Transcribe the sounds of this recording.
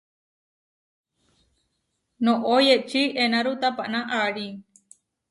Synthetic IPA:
nõʔojeʔt͡ʃiʔenaɾut̪apaʔnaʔaɽi

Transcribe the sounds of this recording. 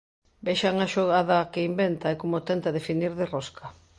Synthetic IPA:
beʃaŋaʃoɣaðɐkeimbent̪aɛkomot̪ɛnt̪ɐðefiniɾðeroskʰa

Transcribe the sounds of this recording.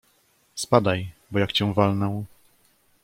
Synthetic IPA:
spad̪ajbɔjakt͡ɕɛ̃w̃valnɔw

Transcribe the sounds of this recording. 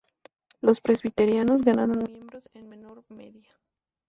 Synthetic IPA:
lo̞spɾe̞zβit̪e̞ɾjano̞zɣanaɾonmjẽ̞mbɾo̞senme̞no̞ɾme̞̰ðja

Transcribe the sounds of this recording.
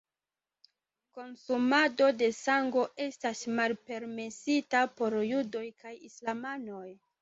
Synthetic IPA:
ko̞nsumado̞de̞saŋɡo̞ʔe̞stasmalpe̞ɾme̞sitapo̞ɾjudo̞jkajislamano̞j

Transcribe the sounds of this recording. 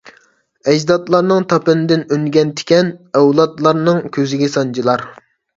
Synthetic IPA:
ɛd͡ʒd̪ɑt̪lˠɑɾnɨŋt̪ʰɑpɨnɨd̪ɪnøŋɡʲɛnt̪ʰɪ̥kʲɛnɛwlˠɑt̪lˠɑɾnɨŋkʲʰøzɪɡʲɛsɑnd͡ʒʰilˠɑɾ

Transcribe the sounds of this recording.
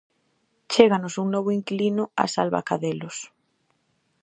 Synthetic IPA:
t͡ʃeɣanosuŋnoβ̞oiŋklinʊa̰salβa̰kaðelos

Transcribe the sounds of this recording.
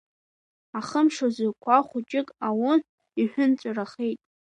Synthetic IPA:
aχəmʂozɪkʷʰaχʷʊt͡ʃʼɪkʼawʊn | iħʷᶣʊnt͡sʷʼaraχejtʼ

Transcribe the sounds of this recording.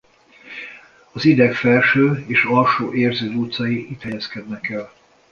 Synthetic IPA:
ɒzid̪ɛkfɛlʃøːeːʃɒlʃoːʔeːrzøːd̪uːt̪sɒjiit̪hɛjɛskɛd̪nɛkɛl

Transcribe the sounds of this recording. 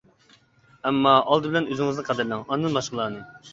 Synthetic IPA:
ɛmːɑʔɑlˠd̪ɨbɪlɛnøzɪŋɨznɨqʰæd̪ɪɾlɪŋɑnɨd̪ɨnmɑʃqəlˠɑːnɨ

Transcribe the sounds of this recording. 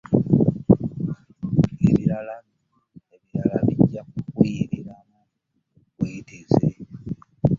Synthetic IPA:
eβiɾala | eβiɾalaβiɟakukujiɾiɾana | βweideze

